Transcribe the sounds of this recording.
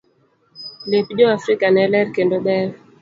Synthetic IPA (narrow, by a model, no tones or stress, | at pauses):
lepʄoafɾikanɛlɛɾkɛndɔɓɛɾ